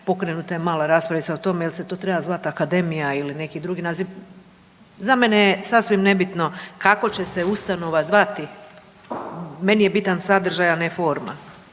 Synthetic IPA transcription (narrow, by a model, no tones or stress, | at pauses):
po̞kɾenut̪ajemaːlaɾaːspɾaʋitsaot̪o̞mejelse̞t̪o̞ːt̪ɾebazʋat̪akad̪e̞mijailine̞kid̪ɾuɡinazi | zamenejesasʋimne̞bit̪no̞kako̞t͡ɕe̞se̞ust̪ano̞ʋazʋat̪i | me̞nije̞bit̪ansad̪r̩ʒajanefoɾma̰